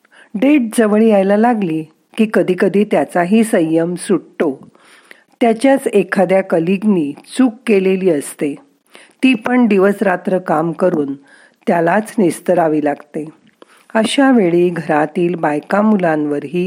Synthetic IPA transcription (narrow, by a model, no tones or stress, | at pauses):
ɖeʈ̚d͡zəʋɭiːajlalaɡliː | kiːkəd̪ʱiːkəd̪ʱiːt̪jat͡saɦiːsəjːəmsuɽto | t̪jat͡ɕjat͡sekʰad̪jakəliɡniːt͡suːkːeleliːəst̪e | t̪iːpəɳɖ̪iʋəsɾat̪ɾəkamkəɾuːn | t̪jalat͡snist̪əɾaʋiːlaɡt̪e | əɕaʋeɭiːɡʱəɾat̪iːlbajkamulãnʋəɾɦiː